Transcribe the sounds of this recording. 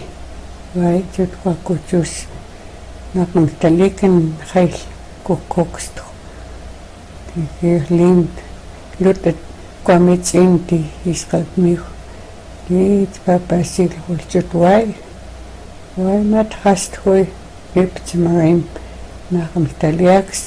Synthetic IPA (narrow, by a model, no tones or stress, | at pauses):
wajt͡ʃut̪kʷakut͡ʃuʃ | naqamht̪alikanχel | kukʰokʃt̪χ | ikiχlint̪ | lut̪ʼa | kamit͡ʃʼint̪iiʃqaltmix | it͡ʃpapaʃiklχilt͡ʃut̪waj | wajmat̪χaʃt̪χwi | ipt͡ʃamaɾim | naqamht̪aliaks